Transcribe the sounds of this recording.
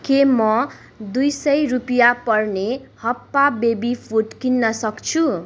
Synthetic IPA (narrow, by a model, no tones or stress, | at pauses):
kemʌ | d̪ujsʌjrupijapʌrnehʌpːabebipʰuʈkinːʌsʌkt͡sʰu